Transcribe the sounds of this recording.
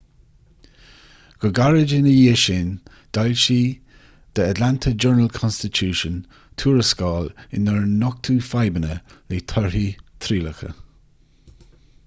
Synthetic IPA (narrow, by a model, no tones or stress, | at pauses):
ɡ̥əɡaɹɪd͡ʒɪnəjiːʃɪn | d̪̥alʃiː | d̪̥əad̪lant̪ʰəd͡ʒɜɹnəlkʰɔnstɪtʰuːʃən | t̪ʰuːɹəskɑːlɪnəɹnːɔk̚t̪ʰuːfajbənəliːt̪ʰɔɹhiːt̪ʰɾiːləxə̰